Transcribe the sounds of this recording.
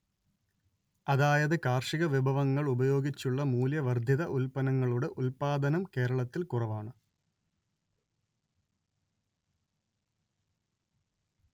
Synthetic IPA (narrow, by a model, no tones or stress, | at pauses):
ɐðaːjɐðɨkaːrʂiɣɐʋibʱɐʋɐŋːɐɭubɐjo̞ːɡit͡ɕːuɭːɐmuːljɐʋɐrd̪ʱjɐðɐʔulpɐnɐŋːɐɭuɽe̞ʔulpaːd̪ɐnɐmke̞ːɾɐɭɐt̪ːilkurɐʋaːɳɨ